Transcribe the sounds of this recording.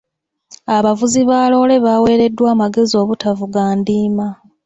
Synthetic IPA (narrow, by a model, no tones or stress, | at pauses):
aβavuziβaːlo̞ːle̞βaːwe̞ːɾe̞dːwaːmaɡe̞zio̞ːβutavuɡaːndiːma